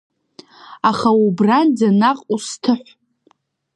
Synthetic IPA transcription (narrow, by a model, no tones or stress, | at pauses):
aχaubrand͡zanaqʼustʰɨħʷ